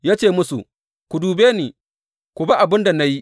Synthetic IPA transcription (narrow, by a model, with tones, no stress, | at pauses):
jaː˦t͡ʃeː˦˨mʊ˦sṵ˨ | kʷʊ˨duː˨beː˦niː˨ | kʷʊ˨ba˦ʔa˨bɪ˦nda˨na˦ji˦ʔ